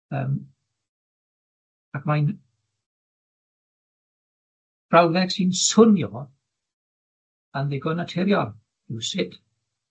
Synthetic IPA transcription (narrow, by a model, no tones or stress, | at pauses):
ə̰ːm | akʰmajn | b̥rawðɛɡ̥siːnsʊnmjoː | anðɪɡɔnatʰɛɾjɔlˠ | ɪwsɪd̥